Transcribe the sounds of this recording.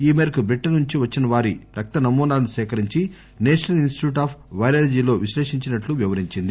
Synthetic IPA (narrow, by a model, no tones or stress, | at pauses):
iːmeːɾɐkubɾiʈːɐnuɲt͡ʃiʋɐt͡ʃːinɐʋaːɾiɾɐk̚t̪ɐnɐmːuːnaːlɐnisɛːkɐɾiɲt͡ʃi | neːʂɐnɐlinsʈiʈuːʈaːpʰʋɐjɾaːɾd͡ʒiːlo̞ːʋiʃleːʂiɲt͡ʃinɐʈluʋiʋɐɾiɲt͡ʃind̪i